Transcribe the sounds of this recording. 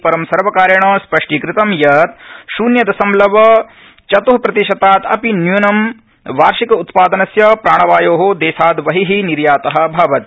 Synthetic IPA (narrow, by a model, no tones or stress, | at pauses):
pɐɾɐmsɐɾʋɐkaːɾjɐɳɐspɐʂʈikɾɪt̪ɐmjɐt̪ʃuːnjɐd̪ɐsɐmlɐʋɐ | t͡ʃɐt̪oɦpɾɐt̪iʃɐt̪aːt̪ɐ̰pinjuːnɐm | ʋaːɾʃikɐut̪paːd̪ɐnɐsjɐpɾaːɳ̃ɐʋaːjoːɦod̪eːsaːd̪ʋɐɦiɦiniɾjaːt̪ɐɦɐ̆bʱaːʋɐt̪̚